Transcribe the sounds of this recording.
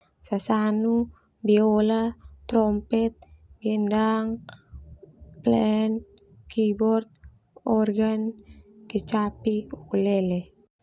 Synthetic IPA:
sasanu | biolat̪ɾɔmpɛt̪̚ɡɛndaŋ | plɛn | kibɔrt̪̚ | ɔrɡanket͡ʃapiukulɛlɛ

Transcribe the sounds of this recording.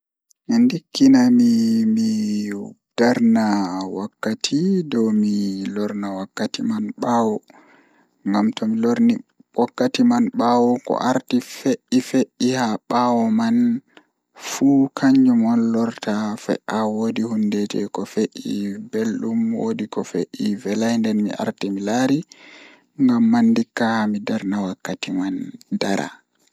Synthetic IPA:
mindikːinamimi | d̥aɾnawakːatʰidɔwmilɔɾnawakːatimanɓawɔ | ŋɡamtɔmilɔɾni | wʔɔkːatimanɓawɔkɔ̰ʔaɾtifeʔːifeʔːihaɓawɔman | fukʰaɲd͡ʒumɔnlɔɾtafɛ̰ʔawodihundɛtɛ̰kɔfeʔibelɗumwo̰dikɔfeʔivɛlajndɛnmḭʔa̰ɾtimilaɾi | ŋɡamːandikːamidaɾnawakːatimandaɾa̰

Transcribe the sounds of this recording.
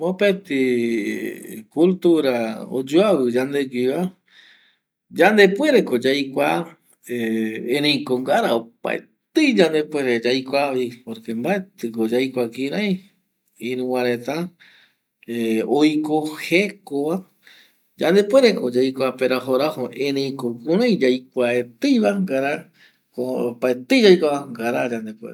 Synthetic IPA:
mopet̪i | kult̪uɾao̰d͡ʒuaβɨd͡ʒand̪ed͡ʒʷiβa | d͡ʒand̪epwe̞ɾekod͡ʒajkʷa | eẽɾẽjkoŋɡaɾaopa̰e | t̪ɨd͡ʒand̪epwe̞ɾed͡ʒajkʷaβipoɾkembaet̪ɨkod͡ʒajkʷakĩɾaj | ĩɾũwaɾet̪a | eojkohekoβa | d͡ʒand̪epweɾekod͡ʒajkʷapeɾaɦoɾahoʔẽɾẽj̃kokũɾ̃ãjd͡ʒajkʷaet̪ɨjβaŋɡaɾa | kopaet̪ɨjd͡ʒajkʷaβaŋɡaɾad͡ʒand̪epwḛɾe

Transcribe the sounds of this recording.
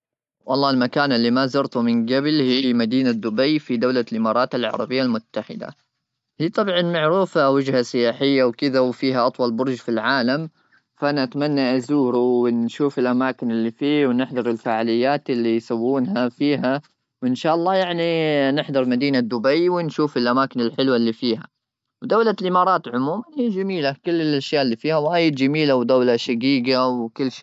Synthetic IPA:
wʔɑlˤːɑːɪlmakaːnʔɪlːimazɑɾt̪ʊmɪnɡablhiːmad̪iːnad̪ʊbajfid̪awlalʔɪmɑːɾˤɑːt̪alʕɑ̰ɾˤɑ̰bɪjːalmʊt̪ːaħɪ̰d̪a̰ | hiːt̪ˤɑbʕɑnmaʕɾuːfawɪd͡ʒhasɪjaːħɪjːawkɪðawfiːɦaʔɑt̪ˤwɑlbʊɾˤʒfilʕaːlam | faʔanaʔat̪manːaʔazuːɾuwɪnʃuːfɪlʔamaːkɪnɪlːifiːwnɪħd̪ɑɾˤɪlfaːʕalɪjːaːt̪ɪlːijsawːuːnhafiːɦa | wʔɪnʃaːʔɑlˤːɑːjaʕninɪħd̪ɑɾˤmad̪iːnad̪ːʊbajwɪnʃuːfɪlʔamaːkɪnɪlħɪlwalːiːfiːɦa̰ | wd̪awlalʔɪmɑːɾˤɑːt̪ʕʊmuːmanhijd͡ʒamiːlakʊlːɪlʔaʃjaːʔɪlːiːfiːhawaːjɪd̪d͡ʒamiːlawd̪awlaʃaɡiːɡawkɪlːʃː

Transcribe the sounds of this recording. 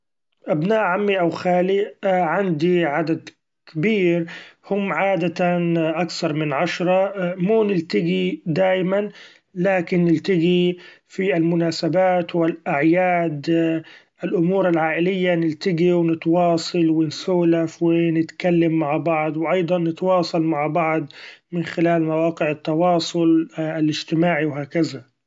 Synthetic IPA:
ʔabnaːʔʕamːiʔawxaːliʕand̪iʕad̪ad̪ | kɪbiːɾhʊmːʕaːd̪aʔakθɑɾˤmɪnʕaʃɾˤɑmuːnɪlt̪aɡid̪aːjman | laːkɪnːɪlt̪aɡifialmʊnaːsabaːt̪wɪlʔaʕjaːd̪ | ɪlʔʊmuːɾalʕaːʔɪlɪjːanɪlt̪aɡiwɪnɪt̪wɑːsˤɑlwɪnsuːlafwɪnɪt̪kalːamːaʕbɑʕd̪ˤwʔɑjd̪ˤɑnːɪt̪wɑːsˤɑlmaʕbɑʕd̪ˤmɪnxɪlaːlmawaːqɪʕat̪ːɑwɑːsˤʊlalɪd͡ʒt̪ɪmaːʕiwɦaːkaza

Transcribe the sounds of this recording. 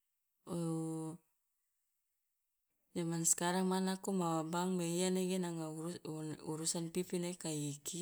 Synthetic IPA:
o | d͡ʒamanskaɾaŋmanakumawabaŋmeianaɡenaŋaunuɾusanpipinaikaiki

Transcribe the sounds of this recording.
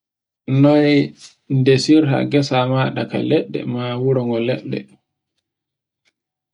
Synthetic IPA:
nɔj | ndesiɾha̰ɡɛsamaːɗaka̰lɛɗːɛ̰mawuɾɔŋɡɔlɛ̰ɗːɛ̰

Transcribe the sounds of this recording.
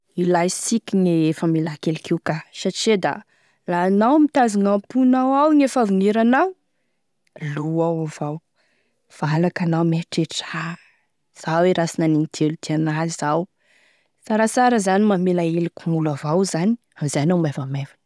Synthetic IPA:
ilajsikʲineefəmelakelikʰiwkasaʈ͡ʂed̪a̰ | lanawmit̪azaŋampunawawŋefavuneɾanaw | luawav̥aw | v̥alakanawmeʈ͡ʂeʈ͡ʂaa | z̥aweɾasinaniŋid̪̥ʰelud̪̥ianaizaw | saɾasaɾəzanimamelaelikumulavawzani | amizajnawmavamevin

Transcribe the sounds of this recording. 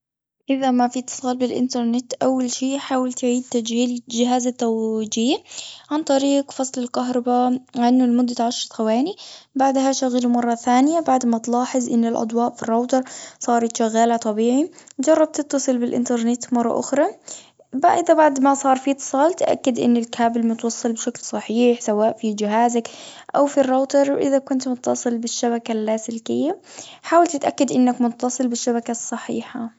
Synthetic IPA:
ʔɪðamafit̪ːɨ̥sˤɑːlbɪlʔɪ̰nt̪ɑɾˤnɪt̪ʔawːalʃiːʔħaːwalt̪ʕiːd̪̚t̪ad͡ʒhiːld͡ʒɪɦaːzat̪ːad͡ʒiːʕant̪ˤɑɾiːqfɑsˤlɪlkaɦɾˤɑbaʕanːʊlmʊd̪ːat̪ʕaʃɾɑt̪ˤxawaːnibaʕd̪haʃaɣalumɑrˤːɑθaːnɪjabaʕd̪mat̪lɑːħɪzˤʔɪnːɪlʔɑ̰d̪ˤwɑːʔfirˤːɑwt̪ɑɾˤsˤɑːɾˤɑt̪ʃaɣːaːlat̪ˤɑbiːʕid͡ʒɑrˤːɑb̚t̪ɪt̪ːɑsˤɨlbɪlʔɪ̰nt̪ɑɾˤnɪt̪mɑrˤːɑ̰ʔʊ̰xɾˤɑ | baʔɪðabaʕd̪masˤɑːɾˤfit̪ːɨ̥sˤɑːlt̪ʔa̰kːad̪ʔɪ̰nːɪlkʰaːbɪlmʊt̪wɑsˤːɨlbɪʃaklsˤɑħiːħsawaːʔfid͡ʒɪɦaːzakʔawfirˤːoːt̪ɑɾˤwʔɪðakʊnt̪mʊt̪ːɑsˤɨlbɪʃːabakalːasɪlkɪjːaħaːwalt̪ɪt̪ʔakːad̪ʔɪnːakmʊt̪ːɑsˤɨlbɪʃːabakasˤːɑħḭːħa

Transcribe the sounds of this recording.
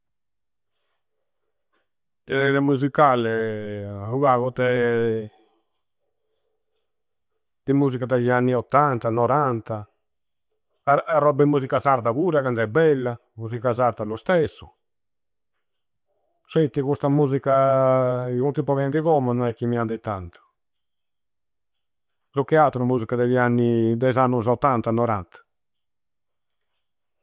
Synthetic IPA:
t̪eðed̪emuz̬ikale | uɣaɣot̪e | t̪imuz̬ikat̪ajaniot̪ːant̪anoɾant̪a | aarɔbemus̬ikasaɾt̪aɣuɾaɣand̪ɛbɛla | muzikazaɾt̪alust̪ɛsːu | set̪ːikust̪amuːzika | ikunt̪ipɔvɛnd̪iɣɔmɔnɔɛkːimiand̪it̪ːant̪u̥ | ɾukːɛat̪ɾumuːzikad̪ɛʎianːid̪ɛzanːuzɔt̪ːant̪anɔɾa̰nt̪ḁ

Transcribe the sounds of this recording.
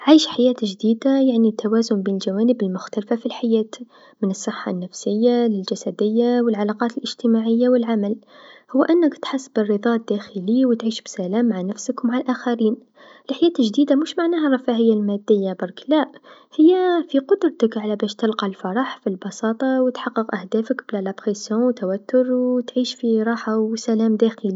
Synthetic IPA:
ʕajʃħajæːt̪ʒd̪iːd̪ajaʕnit̪ːawæːzʊmbiːnəlʒawæːnəbəlmʊxt̪ælfafilħajæːt̪ | mɪnɨsˤːɨħːa̰nːæfsəjːalɪlʒasæd̪əjːawəlʕalɑqɑːt̪əlʔɪʒt̪əmaʕɪjːawəlʕamæl | hʊwːʔɪnːəkt̪ħasːbərːɨðˤɑʔd̪̥ːæxəliwt̪ʕiːʃbsælæːmːaʕanæfsəkwmaʕalʔaxaɾiːn | lʔaħjæːt̪ʒd̪iːd̪amuʃmaʕnæːharˤɑfæhəjːalmæd̪ːəjːabɑɾˤklæʔhəjːafiqʊd̪ɾˤt̪əkʕalabæʃt̪əlqɑlfɑɾˤɑħfilbɑsɑːt̪ˤɑwt̪ħɑqːəqʔæhd̪æːfəkblælæbxisjõwt̪æwæt̪ːʊɾwt̪ʕiːʃfiɾˤɑːħawsælæːmd̪æxəli

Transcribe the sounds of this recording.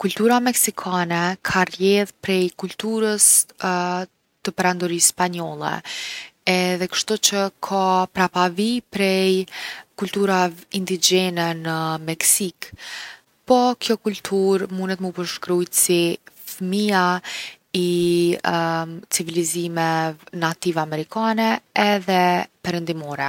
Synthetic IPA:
kult̪uɾamɛksikʰanɛkʰarjɛðpɾɛjkult̪uɾəs | t̪əpɛɾand̪ɔɾisːpaɲɔlˠɛ̰ | ɛðɛkə̥ʃt̪ut͡ɕəkʰapɾapavipɾɛjkult̪uɾaind̪id͡ʒɛnɛnəmɛksik | pɔkʰjɔkult̪ʰuɾmunɛt̪mupəɾʃkɾuj̪sifmia | i | t͡sivilizimɛnat̪ivamɛɾikʰanɛɛðɛpɛɾənd̪imɔɾɛ

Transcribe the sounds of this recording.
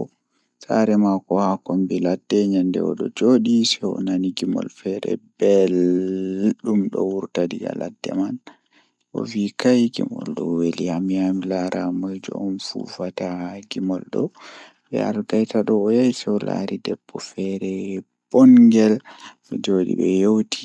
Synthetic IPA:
saɾɛmakɔhakombiladːɛɲandɛ̰ɔɗɔd͡ʒoɗisɛɔ̰naniɡimɔ̰lfɛɾɛ̰bel | ɗumɗɔwuɾtadiɡa̰ladːɛ̰man | ʔɔvikajɡimɔ̰lɗɔwelihamiamilaɾʔamɔjd͡ʒɔ̰ɔnfṵfataɡimɔlɗɔ | ɓɛ̰alɡajtaɗɔːjajsɛɔla̰ɾidɛb̥ːɔfɛɾɛ | b̥ɔŋɡɛl | ɛd͡ʒoɗḭɓɛjowtʰi̥

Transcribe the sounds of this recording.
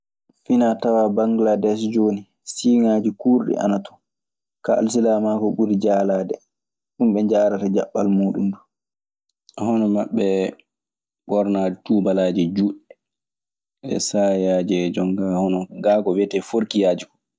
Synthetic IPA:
finatawabaŋɡladɛs̬d͡ʒoni | siŋaːd͡ʒikuːɾɗḭʔa̰natɔ̥ | kaa̰ls̬ilamakɔɓuɾid͡ʒaːlaːdɛ̰ | ɗumɓɛɲd͡ʒaɾatad͡ʒa̰ɓːa̰lmoːɗṵmdu | hɔnɔmaɓːɛ | bɔɾnad͡ʒɛtuːbalaːd͡ʒɛd͡ʒuɗɛ | ɛ̰sajad͡ʒɛd͡ʒɔŋɡahɔnɔɡaːɡɔwɛtɛfoɾkijaːd͡ʒikɔ̥

